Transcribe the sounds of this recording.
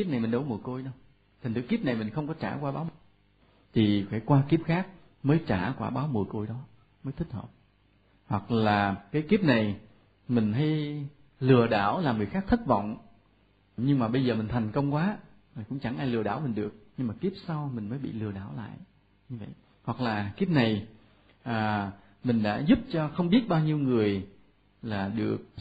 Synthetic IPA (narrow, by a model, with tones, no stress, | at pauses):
ki˦˥p̚na˨˩jmï˨˩ŋ̟ɗə˨˦wmu˨˩əko˧jɗə˧w | t̪ʰa˨˩ŋ̟t̪ɨ˧˥˦ki˦˥əp̚na˨˩jmï˨˩ŋ̟xə˧wŋ͡mkɔ˨˦t͡ɕaː˧˩kwaː˧ɓaː˨˦wm˨˩ | t̪ʰi˨˩faː˧˩kwaː˧ki˦˥əp̚xaː˦˥k̚ | məː˨˦jt͡ɕaː˧˩kwaː˧˩ɓaː˨˦wmu˨˩ko˧jɗɔ˨˦ | məː˨˦jt̪ʰi˦˥k̟̚hʰə̰˧˨˩p̚ | hwa˨˩k̚laː˨˩kaː˨˦jki˦˥əp̚na˨˩j | mï˨˩ŋ̟ɦa˧j | lɨ˨˩əɗaː˧˩wlaː˨˩mɨ˨˩jxaː˦˥k̚t̪ʰi˦˥t̚vɔ̰˧˨wŋ͡m | ɲɨ˧ŋmaː˨˩ɓə˧jzəː˨˩mï̟˨˩t̪ʰjŋ̟kə˧wŋ͡mkwaː˨˦ | laː˨˩kʊ̰˧˥ŋ͡mt͡ɕa˧˩ŋʔaː˧jlɨ˨˩əɗaː˧˩wmï˨˩ŋ̟ɗɨ˨˩ək̚ɲɨ˧ŋmaː˨˩ki˦˥p̚sa˧wmï˨˩ŋ̟məː˨˦jɓḭ˧˨lɨ˨˩əɗaː˧˩wla̰ː˧˨jʔ | ɲɨ˧və̰˧˨j | hwa˨˩k̚laː˨˩ki˦˥əp̚na˨˩j | ʔaː˨˩ | mï˨˩ŋ̟ɗa̰ː˧˥zʊ˦˥p̚t͡ɕɔ˧xə˧wŋ͡mɓi˦˥ət̚ɓaː˧wɲi˧əwŋɨ˨˩əj | laː˨˩ɗɨ˨˩ək̚